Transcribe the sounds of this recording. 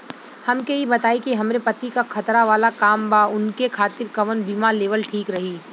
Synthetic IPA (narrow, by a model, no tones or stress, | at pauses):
hɐmkeibɐt̪aːikiɦɐmɾepɐt̪ikakʰɐt̪ɾaʋaːlakaːmbaʊnkekʰaːt̪ɪɾkɐʋənbiːmaleːʋəlʈʰiːkɾɐɦiː